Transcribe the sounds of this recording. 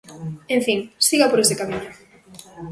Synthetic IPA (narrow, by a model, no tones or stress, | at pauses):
ẽɱfiŋsiɣapoɾesekamiɲʊ